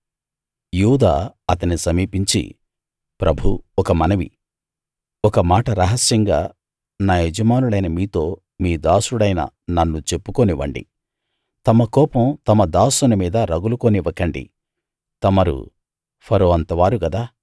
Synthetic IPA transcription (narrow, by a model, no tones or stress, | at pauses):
juːd̪a̰ːɐt̪ɐnisɐmiːpiɲt͡ʃḭ | pɾʔɐbʱuɔkɐmɐnɐʋḭ | ɔkɐmaːʈɐɾɐɦɐsjɐŋɡa̰ː | naːɦed͡ʒɐmaːnuɭɐjnɐmiːt̪o̞ː | miːd̪aːsuɽɐjnɐ̰nɐnːut͡ʃe̞pːukoniʋɐ̰ɳɖḭ | t̪ɐmɐkɔːpɐmt̪ɐmɐd̪aːsunɐmiːd̪ɐɾɐɡulukoniʋɐkɐɳɖḭ | t̪ɐmɐɾṵ | pʰɐɾoːɐnt̪ɐʋaːɾuɡɐd̪aː